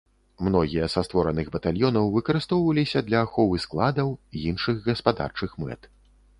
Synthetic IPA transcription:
mnɔɣʲijɐsast̪vɔɾɐnɨɣbɐt̪alʲjɔnɐwvɨkɐɾɨst̪ɔwvɐlʲisʲɐd̪lʲɐːxɔvɨsklˠad̪ɐwinʂɨɣɣɐspad̪a̰rt͡ʂɨxmɛ̰t̪

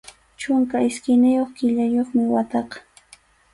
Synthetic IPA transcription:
t͡ʃʊŋkaɪskɪnɪjoχkɪʎajoχmɪwat̪ɑqɑ̥

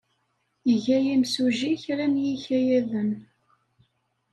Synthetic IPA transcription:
jəʝæjimsuʒiçɾænjiçæjæðən

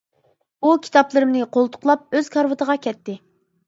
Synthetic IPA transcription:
ukʲʰi̥t̪ɑplˠɨɾɨmnɨqʰolˠt̪ʰʊ̥qlˠɑp̚øz̥kʰɑɾvɨt̪ʰəʁɑkʲʰɛt̪ːɪ

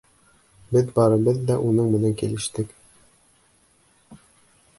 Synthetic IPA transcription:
bɘðbɑɾɤ̆bɤðːæʔunɤɴmɘ̆næŋkilɘ̆ʃt̪ɘk

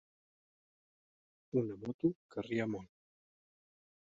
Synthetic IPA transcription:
unamɔt̪ukariamɔn

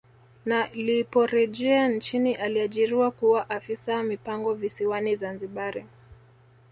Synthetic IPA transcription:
nalipɔɾɛʄɛant͡ʃiniʔaliaʄiɾiwakuwaʔafisawamipaŋɡɔvisiwanizanziɓaɾi

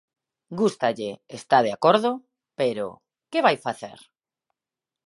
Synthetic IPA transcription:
ɡust̪aʎeest̪að̞eakoɾðʊ | peɾo̰ | keβajfaθḛɾ

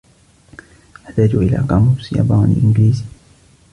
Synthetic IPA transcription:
ʔaħt̪aːd͡ʒuʔɪla̰ːkɑmusjɑ̰bɑːnḭʔɪnɡliːzi

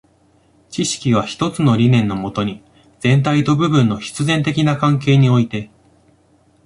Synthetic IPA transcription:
t͡ɕiɕi̥kʲiβ̞açi̥t̪o̞t͡sɨno̞ɾʲinẽ̞nːo̞mo̞t̪o̞ɲ̟i | d͡zẽ̞nt̪ait̪o̞bɯ̟bɯ̟̃nːo̞çi̥t͡sɨzẽ̞nt̪e̞kʲinakãŋk̬e̞ːɲ̟io̞it̪e̞

